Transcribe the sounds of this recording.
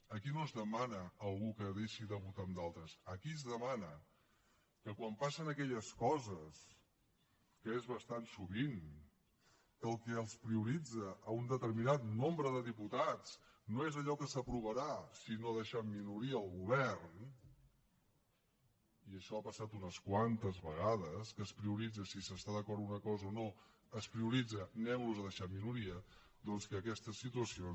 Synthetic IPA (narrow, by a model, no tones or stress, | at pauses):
əkinozðəmanəːlˠɣukəðeʃiðəβut̪əmd̪alˠt̪ɾəsəkizðəmanə | kəkwampasənəkɛʎəskɔzəs | kəezβəst̪ansuβin | kəlˠkəəlˠspɾiuɾid͡zəʔːund̪ət̪əɾminat̪nombɾəðəðiput̪at͡s | noezəʎɔkəsəpɾuβəɾasinoəðəʃaminuɾiəːlˠɣuβɛɾn | iəʃɔapəsat̪unəskwant̪əzβəɣaðəskəspɾiuɾid͡zəsisəst̪aðəkɔɾt̪unəkɔzəono | əspɾiuɾid͡zənɛmluzəðəʃat̪minuɾiə | d̪ɔnskəːkɛst̪əsit̪uəsio